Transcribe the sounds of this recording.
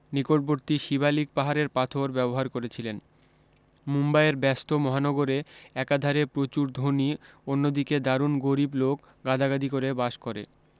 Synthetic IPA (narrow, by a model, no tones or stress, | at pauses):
nikoʈ̚boɾt̪iʃiβalik̚paɦaɾeɾpat̪ʰoɾbɛboɦaɾkoɾet͡ɕʰilen | mumbaeɾbɛst̪omɔɦanɔɡoɾeɛkad̪ʱaɾepɾot͡ɕuɾd̪ʱonionːod̪iked̪aɾunɡoɾiblok | ɡad̪ʱaɡad̪ikoɾebaʃkoɾḛ